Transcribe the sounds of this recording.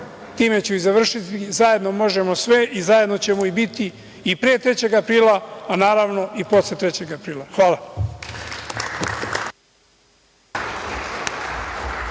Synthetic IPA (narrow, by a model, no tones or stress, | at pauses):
t̪iːme̞t͡ɕuizaʋr̩ʃit̪izaje̞d̪no̞mo̞ʒemo̞sʋeʔizaje̞d̪no̞t͡ɕe̞moibit̪iː | pɾeːt̪ɾe̞t͡ɕe̞ɡapɾiːlˠaanaːɾaʋno̞ʔipo̞slet̪ɾet͡ɕe̞ɡapɾiːlaxʋaːla